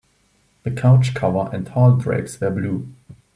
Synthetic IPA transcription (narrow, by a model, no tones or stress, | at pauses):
ð̥əkʰaʊt͡ʃkʰʌvəʔɛ̰̃ntʰɔldɹɛ̰ɡswɛbluː